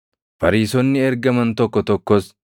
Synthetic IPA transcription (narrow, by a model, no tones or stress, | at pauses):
fɐɾiːsɔnːɪɛɾɡɐmɐnt̪ɔkːɔt̪ɔkːɔs